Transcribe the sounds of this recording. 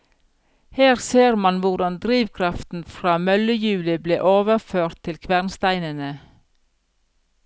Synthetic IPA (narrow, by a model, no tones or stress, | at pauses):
heːɾseːɾmɑnʋʊɖɑnd̪ɾiːʋkʰɾɑft̪n̩fɾɑːmœləjʉːlɪblḛːʔoːʋəføːɾt̪ʰːɪlkʰʋæʁnst̪æɪnənə